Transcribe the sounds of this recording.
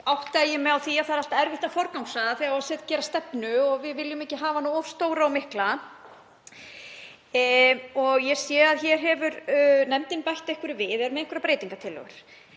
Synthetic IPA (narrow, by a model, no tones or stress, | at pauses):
awht̪ajɪmɛawθiaðθaɾal̥t̪aɛɾvɪht̪afɔɾkawŋsaðaθɛɣaasɛðcɛːɾast̪ɛpnʏɔɣvɪðvɪljʏmɛcɪɦaːvanuɔfst̪oːwɾaɔwmɪhkla | ɔɣjɛsjɛːðaðçɛɾ̥ɦɛvʏɾnɛmt̪ɪnpajht̪ehkʏɾɪvɪðɛɾmɛðejŋkʰʏɾapɾeːjt̪iŋkat̪ʰɪlːœ̰ɣʏ̰ɾ̥